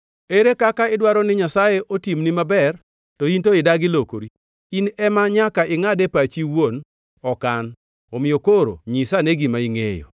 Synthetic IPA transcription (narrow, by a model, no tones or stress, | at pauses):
eɾekakaɪdwaɾɔnɪɲasajeʔotimnɪmabɛr | tɔintoɪdaɡɪlokoɾi | inɛmaɲakaʔɪŋadepat͡ʃiwon | ɔkan | ɔmɪjokoɾo̰ɲisaneɡimaiŋḛjɔ̰